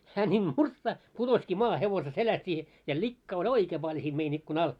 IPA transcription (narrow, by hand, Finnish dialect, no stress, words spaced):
hæː nʲiːm murtsɑht̆ putoski mɑːhe heʋose selæst i jɑ likːɑː olʲ oikeː pɑlʲ siːm mein ikːun ɑl